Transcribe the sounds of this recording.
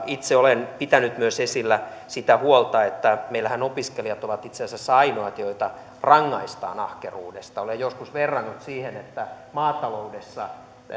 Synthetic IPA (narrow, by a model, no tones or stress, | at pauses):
it̪seolenpit̪ænyt̪myøsesilːæ | sit̪æhuolt̪ɑet̪ːæmeilːæhænopiskeliɑt̪oʋɑt̪it̪sensæsɑinoɑt̪joit̪ɑ | rɑŋːɑist̪ɑ̰ːnɑhkeruːdḛst̪ɑolejjoskusʋerːɑnːut̪siːhenet̪ːæ | mɑːt̪ɑloudesːɑ